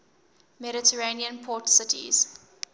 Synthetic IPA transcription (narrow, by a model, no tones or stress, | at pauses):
mɛɾɪtʰəɹeniə̃npʰɔtsɪtʰḭz̥